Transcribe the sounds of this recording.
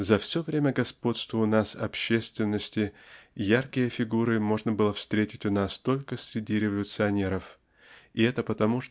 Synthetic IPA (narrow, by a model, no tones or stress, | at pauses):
zɐfsʲo̞vɾʲemʲəɡɐspo̞t̪st̪vəʊnasɐ̰pɕːest̪vʲɪnːəsʲtʲɪjarkʲɪjəfʲɪɡuɾɨmo̞ʐnəbɨlˠəfst̪ɾʲetʲɪtʲʊnast̪o̞lʲkəsʲɾʲɪdʲiɾʲɪvəlʲʊt̪sɨɐnʲe̞ɾəf | ɪɛt̪əpət̪ɐmuʂ